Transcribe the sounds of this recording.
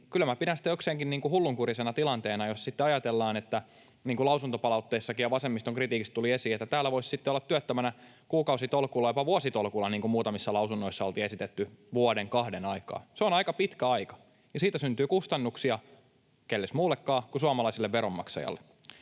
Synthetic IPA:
kylæmæpidænsi̥t̪ːæokseːŋkinniːŋkuhulːuŋkurisenɑt̪ilɑnt̪eːnɑjossit̪ːeɑjɑt̪elːɑːnet̪ːæ | niːŋkulɑusunt̪opɑlɑut̪ːeisːɑkijjɑʋɑsemːist̪oŋkrit̪iːkist̪t̪uliesiːet̪ːæt̪æːlːæʋoissit̪ːeolːɑt̪tːyøt̪ːæmænæ | kuːkɑusit̪olkuːlːɑjopɑʋuosit̪olkulːɑniːŋkumuːt̪ɑmisːɑlɑusunːoisːɑolt̪iːesit̪et̪ːyʋuodeŋkɑhdenɑikɑ̰ːseonɑikɑpit̪kæɑikɑ̥ | jɑsiːt̪æsynt̪yːkust̪ɑnːuksiɑ | kelːesmuːlːekːɑːkusuɑmɑlɑisilːeʋʋeɾomːɑ̰ksɑ̰jɑ̰lːḛ

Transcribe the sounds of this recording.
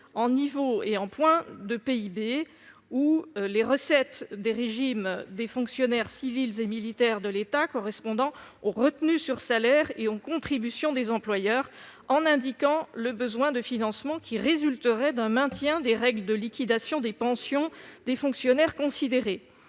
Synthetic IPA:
ɑ̃nivoeɑ̃pwɛ̃d̪əpeibe | uleʁəsɛt̪d̪eʁeʒimd̪efɔ̃ksjɔnɛʁsivilzemilit̪ɛʁd̪əlet̪akɔʁɛspɔ̃d̪ɑ̃ | oʁət̪nysyʁsalɛʁeokɔ̃t̪χibysjɔ̃d̪ezɑ̃plwajœːʁ | ɑ̃nɛ̃d̪ikɑ̃ləbəzwɛ̃d̪əfinɑ̃smɑ̃kʲiʁezylt̪əʁɛd̪ɛ̃mɛ̃t̪jɛ̃d̪eʁɛɡləd̪əlikʲid̪asjɔ̃d̪epɑ̃sjɔ̃d̪efɔ̃ksjɔnɛʁkɔ̃sid̪eʁe

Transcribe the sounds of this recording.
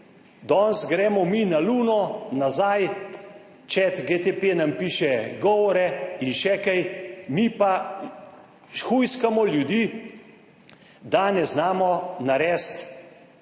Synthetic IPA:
d̪ɔnsɡɾɛːmɔminaluːnɔnazaj | t͡ʃɛt̪ɡet̪epenampiːʃɛɡɔːʋɔɾɛinʃɛkɛjmipa | ʃxujskamɔljud̪iː | d̪anɛznaːmɔnaɾɛːst̪

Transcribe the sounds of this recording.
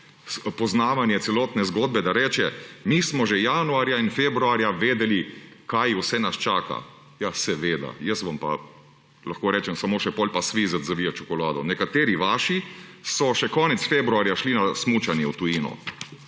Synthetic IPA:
pɔznaːʋanjɛt̪sɛlɔːt̪nɛzɡoːd̪̚bɛd̪aɾɛːt͡ʃɛmismɔʒejanuaɾjainfeːbɾuaɾjaʋeːd̪ɛlikajwsɛnast͡ʃaːka̰ | jasɛʋeːd̪a̰jəsʋɐmpa̰ | laxkoːɾɛːt͡ʃɛmsamoːʃɛpɔlʲpasʋiːzat̪zaʋiat͡ʃɔkɔlaːd̪ɔ̰nɛkat̪eːɾiʋaːʃisɔʃɛkɔːnɛt̪sfeːbɾuaːɾjaʃlinasmuːt͡ʃanjɛwt̪ujiːnɔ̰

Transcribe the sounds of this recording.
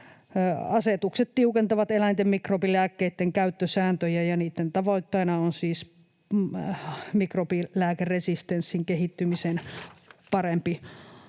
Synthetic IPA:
ɑset̪ukset̪t̪iukent̪ɑʋɑt̪elæint̪emmikropilæːkːeit̪ːeŋkæyt̪ːøsæːnt̪øjæjɑniːt̪ːent̪ɑʋoit̪ːɑinɑonsiːs | mikropilæːkerresist̪ensːiŋkehit̪ːymisenpɑrempi

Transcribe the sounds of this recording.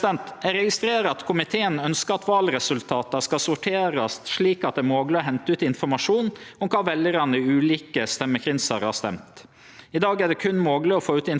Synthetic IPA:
ɛnt̪æɾɛɡɪst̪ɾeːɾəɑt̪kʰʊmɪt̪ʰeːənœnskəɾɑt̪ʋɑːlɾɛsʉlt̪ʰɑːt̪ɑskɑsʊʈʰeːɾɑst̪ʂɭiːkɑt̪̚d̪ɛːmoːɡlɪɔɦɛnt̪əʉːt̪ɪnfɔɾmɑʂuːnɔmkʰɑːʋɛljəɾɑnəʉːliːkəst̪ɛmːəkʰɾɪnsɑɾhɑ̰st̪ɛ̰mt̪ | ɪd̪ɑːɡæɖɛkʰʉnmoːɡlɪɔfoːʉːt̪ɪn

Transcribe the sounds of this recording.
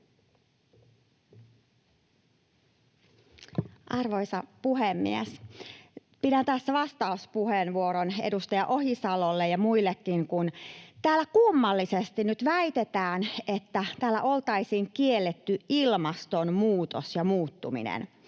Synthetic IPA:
ʔɑrʋojsɑpuɦemːḭes | piɾænt̪æsːæʋɑst̪ɑuspuheːnʋuoɾonḛdust̪ɑjɑʔohisɑlolːejɑmuilːekːiŋkunt̪æːlːækumːɑlːisest̪inyt̪ʋæit̪et̪æːnet̪ːæt̪æːlːæʔo̞lt̪ɑisiːŋkielːet̪ːyilmɑst̪onmuːt̪osjɑmuːt̪ːumḭnḛn

